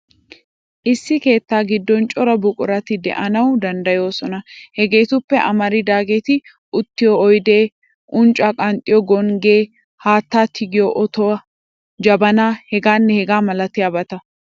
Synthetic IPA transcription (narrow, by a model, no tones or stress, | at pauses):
ʔɪsːɪke̞ːt̪ːaːɡɪd̪ːɔnt͡ʃʼɔɾɐbʊkʼʊɾɐt̪ɪd̪ɛ̰ʔɐnɐwd̪ɐnd̪ɐjo̞ːsɔnɐhɛɡe̞ːt̪ʊpːɛʔɐmɐɾɪd̪aːɡet̪ɪ | ʔʊt̪ːɪjɔːjd̪e̞ː | ʔʊnt͡ʃʼːaːkʼɐnt̪ʼɪjɔɡɔŋɡeː | haːt̪ːaːt̪ʰɪɡɪjoʔɔt̪ɔɐ | d͡ʒɐbɐnaːhɛɡaːnːɛhɛɡaːmɐlɐt̪ɪjabɐt̪ɐ